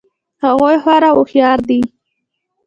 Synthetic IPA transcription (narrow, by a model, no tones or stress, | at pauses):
haɣojhwaɾawʊxjɑɾd̪i